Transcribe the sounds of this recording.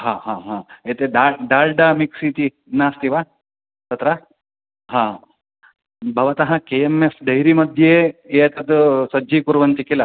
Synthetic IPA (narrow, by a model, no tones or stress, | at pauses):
ɦaːɦãːɦãːeːt̪eɖaːɖaːɾɖamiksit̪i | naːst̪iʋaː | t̪ɐt̪ɾɐ | ɦãː | bʱɐʋɐt̪ɐɦɐkeːemefd̪ɐjɾimɐd̪ʱjeːeːt̪ɐd̪usɐd͡ʒikuɾuʋɐnt̪ikilɐ